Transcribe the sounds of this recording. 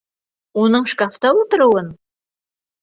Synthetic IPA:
onəɴʃkaft̪ɑwot̪ə̆ɾuwən

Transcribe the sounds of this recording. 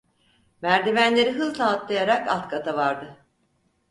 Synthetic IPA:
mæɾd̪evænlʲe̞ɾiɦɯzlaːt̪lˠajaɾakalt̪kʰat̪ʰavaɾd̪ɯ

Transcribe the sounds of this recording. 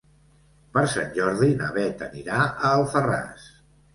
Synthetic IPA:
pəɾsa̰nʲʒɔɾðinə̰βɛt̪əniɾaʔəːlˠfəra̰s

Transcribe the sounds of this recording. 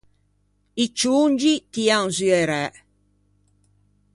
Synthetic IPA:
it͡ʃːund͡ʒit̪ianzyɛɾɛ

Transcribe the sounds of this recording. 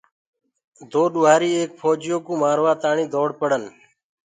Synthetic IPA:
d̪oːɗʊːaːɾiːeːk̚pʰoːd͡ʒɪjoːkũːmaːɾʋaːt̪aːɳĩːd̪oːɽpəɽən

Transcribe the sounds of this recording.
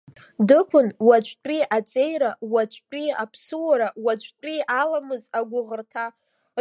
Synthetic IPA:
dɨkʷʰʊnwat͡ʃʷʰʼt͡pʷʼiat͡sʼe̞jɾawat͡ʃʷʰʼt͡pʲʷʼiapʰsɨwaɾawat͡ʃʷʰʼtʼialamɨzaɡʷʊʁərtʰa

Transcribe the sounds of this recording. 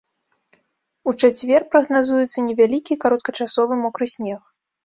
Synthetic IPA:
ut͡ʂat͡sʲvʲɛrpɾɐɣnazujɛt̪sːɐnʲɛvʲalʲikʲikaɾɔt̪̚kɐt͡ʂasɔvɨmɔkɾɨsʲnʲɛx

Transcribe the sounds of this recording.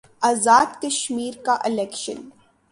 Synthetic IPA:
aːzaːd̪kɐʃmiːɾkaʔɪlɛːkʃə̰n

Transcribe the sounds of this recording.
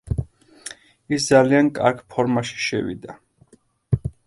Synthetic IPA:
isd̪zaliankʼa̰ɾkʰpʰɔɾmaʃi̥ʃɛ̰vḭd̪a

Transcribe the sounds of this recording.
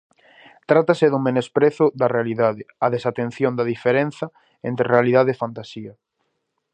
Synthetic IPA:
t̪ɾat̪aseðʊmẽnespɾeθʊðɐrealiðaðeɐðesat̪ẽn̟θjõnd̪ɐðifeɾen̟θɐ | ẽnt̪ɾerealið̞aðeːfant̪asiɐ

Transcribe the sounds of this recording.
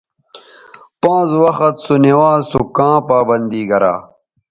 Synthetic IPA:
pãːzwɐxɐt̪sunewaːzsukãːpaːbɐnd̪iːɡɐɾa̰ː

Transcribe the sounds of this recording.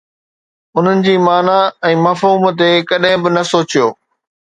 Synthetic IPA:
ʊn̤ənɪ̆d͡ʑiːmaːnaɛ̃ːmɐfɦuːmt̪ekɐɗɦɪ̃bɪnɐsoːt͡ɕijoː

